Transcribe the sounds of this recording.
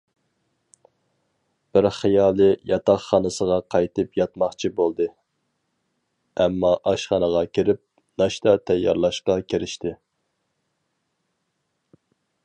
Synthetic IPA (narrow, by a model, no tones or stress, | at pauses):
b̥ɪɾχijɑːlˠɨjɑt̪ɑχːɑnɨsəʁɑqʰɑjt̪ɨpjɑt̪mɑχt͡ʃʰibolˠd̪ɨ | ɛmːɑʔɑʃχɑnəʁɑkʲʰiɾɪp̚ | nɑʃt̪ɑt̪ʰɛjːɑɾlˠɑʃqɑkʲʰeɾɪʃt̪ɪ